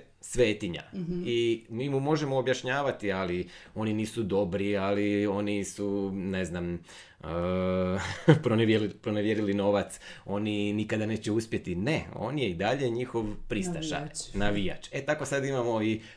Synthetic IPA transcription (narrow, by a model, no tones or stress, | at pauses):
sʋe̞ːt̪iɲa̰imiːmumo̞ʒemo̞ːbjaʃɲaːʋat̪ialio̞niniːsud̪o̞bɾialio̞nisune̞znam | ə | pɾoneʋjelipɾoneʋjeɾilino̞ʋat̪so̞ninikad̪ane̞ːt͡ɕeuspje̞t̪ine̞o̞̰ːnje̞id̪aʎe̞ɲixo̞ʋpɾist̪aʃa̰jnaʋija̰t͡ʃe̞t̪akosad̪imamo̞i